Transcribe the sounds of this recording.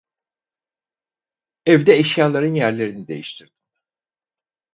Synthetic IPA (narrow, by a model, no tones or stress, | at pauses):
ɛvd̪ɛːʃjaːlˠaɾɯnjæɾlʲe̞ɾinid̪e̞̰jiʃt̪ʰiɾd̪̥i